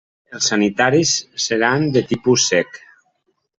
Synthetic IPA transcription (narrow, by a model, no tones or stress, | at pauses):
elˠsːanit̪aɾisːeɾand̪et̪ipusːɛk